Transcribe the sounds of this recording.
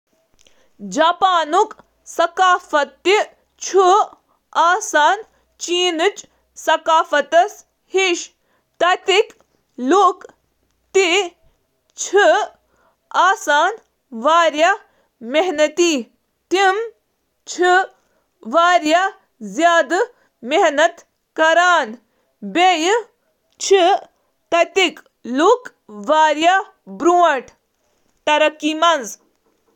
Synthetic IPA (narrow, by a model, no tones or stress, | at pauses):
d͡ʒaːpaːnuk | sɐkaːfɐt̪ːi | t͡ʃʰu | aːsaːn | t͡ʃiːnɨt͡ʃ | sɐkaːfɐt̪ɐs | hiʃ | t̪ɐt̪ik | luːk | t̪i | t͡ʃʰi | aːsaːn | ʋaːɾjɐ | meɦnɐt̪i | t̪im | t͡ʃʰi | ʋaːɾja | zjaːd̪ | meɦnɐt̪ | kɐɾaːn | bej | t͡ʃʰi | t̪ɐt̪ik | luk | ʋaːɾja | bɾuːɐʈ | t̪ɐɾɐkːimɐnz